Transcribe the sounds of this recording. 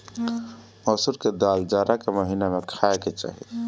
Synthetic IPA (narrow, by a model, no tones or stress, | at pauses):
ɔːsʊɾked̪aːld͡ʒaːɾakeməɦinamẽkʰaːeket͡ʃa̰ːɦḛ